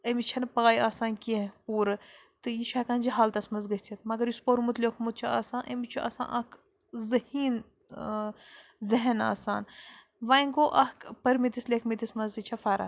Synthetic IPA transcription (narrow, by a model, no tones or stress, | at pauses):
ɐmit͡ʃʰɐnpaːjaːsãːnkʲẽpuːɾɨ | t̪ɨjit͡ʃʰɐːkaːnʲd͡ʒiɦaːlt̪ɐsmɐzɡɐsʲt͡sʲʰit̪mɐɡɐɾjuspoɾmut̪lʲekʰmut̪̚t͡ʃʰia̰ːsãːnʔɐmit͡ʃʰuʔa̰ːsã̰ːʔɐk | zɐhiːn | zɐɦɐna̰ːsaːn | ʋaːjŋɡoːʔɐkpɐɾmit̪islekʰmit̪ismɐnzit͡ʃʰɐfɐɾa̰